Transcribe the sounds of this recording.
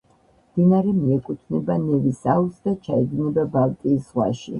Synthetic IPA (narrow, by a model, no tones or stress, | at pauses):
md̪̥inaɾɛmiɛkʼut̪ʰnɛbanɛvisalˠsd̪at͡ʃʰaɛɡ̪nɛbabalt̪ʼiːsʁwa̰ʃḭ